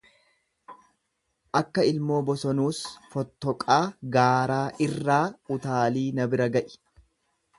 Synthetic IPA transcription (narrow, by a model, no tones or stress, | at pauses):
ʔɐkːɐɪlmo̞ːbɔsɔnuːsfɔt̪ːɔkʼaːɡaːɾaːʔɪrːaːʊt̪aːliːnɐbɪɾɐɡɐʔɪ̥